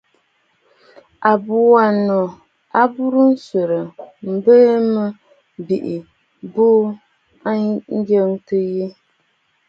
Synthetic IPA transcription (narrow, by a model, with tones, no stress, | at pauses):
a˨bu˨wa˨nɔ˨ | a˦bu˦ɾɨ˦n̩˦sə˨ɾɨ˨m̩˨bə˦mə˦ | bi˨ʔi˨ | buː˦ | a˦n̩˦ɡə˦ŋtɨ˦ji˦